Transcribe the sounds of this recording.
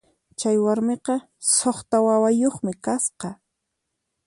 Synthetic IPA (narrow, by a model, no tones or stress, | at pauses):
t͡ʃajwaɾmeqɑ | soχt̪awawajoχmɪkasqɑ